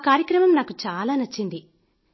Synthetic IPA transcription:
kaːɾjɐkɾɐmɐmnaːkut͡ʃaːlaːnɐt͡ʃːind̪i

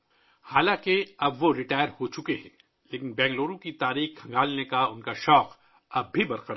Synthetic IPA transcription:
haːlãkeɐbʋoɾɪʈaːjəɾhot͡ʃʊkeɦɛ̃ː | leːkɪnbɛ̃ːŋɡloːɾõkit̪aːɾiːxkʰɐ̃ŋɡaːlnekaʊnkaʃɔːq | ɐb̚ʱibɐɾqəɾ

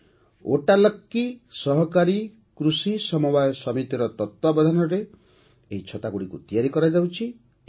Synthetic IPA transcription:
oʈalɔkːisɔɦɔkaɾi | kɾusisɔmubajɔsɔmit̪iɾɔt̪ɔt̪wɔbɔd̪ʱanɔɾe | eɦit͡ʃʰɔt̪aɡuɽikut̪ijaɾikɔɾad͡ʒawt͡ʃʰi

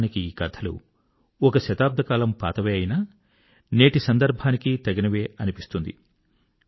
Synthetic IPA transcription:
nikiiːkɐt̪ʰɐlṵ | ɔkɐʃɐt̪aːb̚d̪ʱɐkaːlɐmpa̰ːt̪ɐʋeːɐjinaː | ne̞ːʈisɐnd̪ɐɾbʱaːnikit̪ɐɡinɐʋe̞ːʔɐnipist̪und̪ḭ

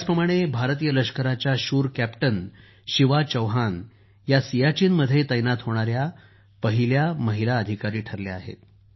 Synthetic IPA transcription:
jad͡zpɾəmaɽ̃ebʱaɾt̪iːjələɕkəɾat͡ɕjaɕuːɾkæpʈən | ɕiʋat͡ɕəwɦan | jasijat͡ɕiːnməd̪ʱːjet̪əjnat̪ɦoɽ̃aɾja | pəɦiljaməɦilaəd̪ʱikaɾiːʈʰəɾleaɦḛt̪

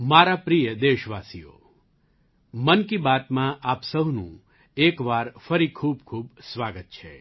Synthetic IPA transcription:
maɾapɾijəd̪eʃʋasijo̰ | mənkibat̪mãʔapsəɦnṵ̃ | ekʋaɾfəɾikʰuːbkʰuːbsʋaɡət̪̚t͡ʃʰḛ

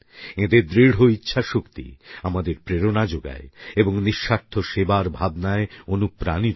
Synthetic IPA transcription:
ed̪ed̪ɾiɽ̤oitːɕʰaʃokt̪ḭamad̪eɾpɾeɾonad͡ʑoɡa̰eeboŋniʃːaɾt̪ʰoʃebaɾbʱabnaeonupɾani

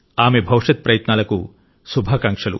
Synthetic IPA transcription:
aːmebʱɐwʂɐt̪̚pɾɐjɐt̪naːlɐku | subʱaːkɐŋkʂɐlṵ

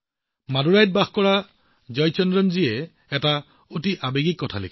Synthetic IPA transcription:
maduɹajd̚baxkɔɹa | d͡ʒɔjt͡ʃɔndɹɔnziɛ | ɛta | otiʔabeɡikːɔtʰalḛkʰi̥

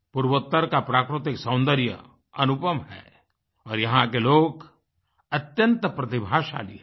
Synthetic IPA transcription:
puɾwət̪ːəɾkapɾaːkɾʊt̪ɪksɐ̃ʊ̃nd̪əɾjə̰ | ɐnupəmɦɛ̰ː | ɔːɾjɐɦãkeloːk | ɐt̪jə̃nt̪pɾɐt̪ɪbʱaːʃa̰ːliɛ

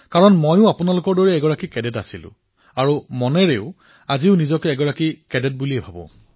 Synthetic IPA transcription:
kaɹɔnmojʊ̃apʊnalʊkɔɹdɔɹɛːɡɔɹakikɛdɛtasilʊ̰̃ | aɹumɔnɛɹeʊ | aziʊnizɔkɛɛɡɔɹakikɛdɛt̚buliɛbʱabɔ̰̃

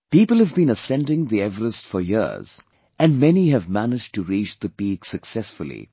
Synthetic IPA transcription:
piːpəl̩ˠhəvbĩːnəsɛ̃ndɪ̃ŋðiɛvəɾəstfəjɪ̰z̥ | ʔɨ̃nmɛniɨvmænɪd͡ʒtɨɾiːt͡ʃðəpiːɡsɨksɛsfəlˠḭ

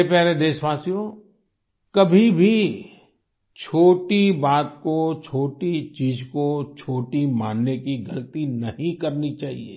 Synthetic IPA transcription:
epɛɦɾed̪eːʃʋaːsijõ | kɐbʱibʱi | t͡ʃʰoːʈibaːt̪kot͡ʃʰoːʈit͡ʃiːd͡ʒkot͡ʃʰoːʈimaːnːekiɡɐlət̪inɐɦĩkɐɾnit͡ʃaːɦḭḛː

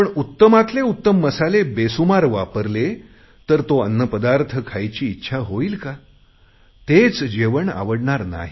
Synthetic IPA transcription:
pəɳut̪ːəmat̪leut̪ːəmːəsalebesumaɾʋa̰pəɾle | t̪əɾt̪oənːəpəd̪aɾt̪ʰəkʰajt͡ɕiːtːɕʰaɦoiːlka | t̪et͡sd͡ʑeʋəɳa̰ʋəɽɳaɾna̰ɦi

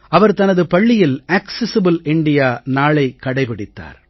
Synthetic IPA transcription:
ɐʋɐɾt̪ɐnɐðɯpɐɭːɪjɪlaːksɛsɪbɯlɪɳɖɪjaːnaːɭɐɪkːɐɽɐɪpɐɽɪt̪ːa̰ːɾ

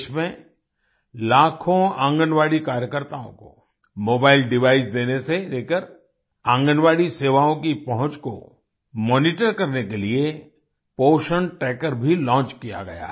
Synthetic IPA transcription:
ʃmẽ | laːkʰõãːŋɡənʋaːɽikaːɾjəkəɾt̪aːõ̰ko̰ | moːbaːɪlɖɪʋaːɪsd̪eːneseleːkəɾ | ãːŋɡənʋaːɽiseːʋaõkipɐɦʊ̃t͡ʃko̰ | mɔːniʈəɾkɐɾnekelie | poːʃəɳʈɛːkəɾbʱilɔ̃ːt͡ʃkija̰ɡɐ̰ja̰ː

